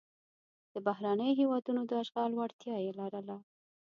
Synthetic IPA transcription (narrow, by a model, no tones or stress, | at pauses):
d̪̥əbahɾɑnəjoɦewɑd̪unod̪əaʃɣɑlwaɽt̪jɑjelɑɾəla